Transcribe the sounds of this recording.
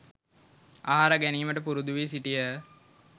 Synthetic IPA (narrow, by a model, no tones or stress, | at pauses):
aːɦaɾaɡæniːməʈəpuɾud̪uʋisiʈijə